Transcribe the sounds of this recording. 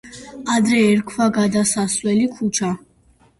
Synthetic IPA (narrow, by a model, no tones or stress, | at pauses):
ad̪ɾɛːɾkʰvaɡad̪asaswɛlikʰut͡ʃʰa